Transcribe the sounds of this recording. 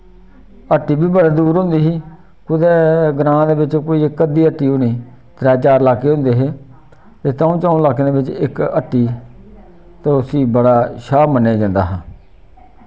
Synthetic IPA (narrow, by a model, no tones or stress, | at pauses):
əʈːiːbiːbəɽaːd̪uːɾɦʊ̃nd̪iːɦiː | kʊd̪ɛːɡɾãːd̪eːbɪt͡ʃkoːiːɪkːəd̪iːəʈːiːʊniː | t̪ɾɛːt͡ʃaːɾlaːkeːɦʊ̃nd̪eːɦeː | t̪eːt̪ãːũːt͡ʃãːũːlaːk̬eːd̪eːbɪt͡ʃɪkəʈːiː | t̪oːsiːbəɽaːʃaːmənːeːd͡ʒãːnd̪a̰ːɦãː